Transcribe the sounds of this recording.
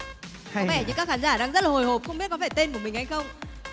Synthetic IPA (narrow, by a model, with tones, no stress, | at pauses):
kɔ˧˨˦vɛ˧˩ɲɨ̰˧kaː˦˥k̚xaː˨˦nzaː˧˩ɗaː˧ŋzə˦˥t̚laː˨ho˨˩jho˨˩p̚xə˧wŋ͡mɓi˦˥ət̚kɔ˨˦faː˧˩jt̪e˧nku˧˩əmï̟˩ha˧jxə˧wŋ͡m